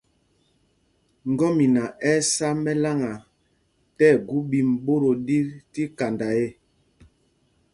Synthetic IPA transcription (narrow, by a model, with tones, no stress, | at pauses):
ŋ˨ɡɔ˦mi˨na˨ɛ˦sa˦mɛ˦la˦ŋa˨ | tɛ˦˨ɡu˦bi˨m̩˨bo˦ɾo˨di˦ɾti˦ka˨nda˨je˦